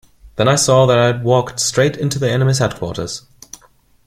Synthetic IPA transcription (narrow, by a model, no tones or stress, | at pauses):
ðə̃ñaɪsɔðəɾaɪd̚wɔˑktstɹ̥eɪtɪ̃ntʉðiɛnəmiz̥hɛd̚kʰw̥ɔ̰ˑɾə̰z̥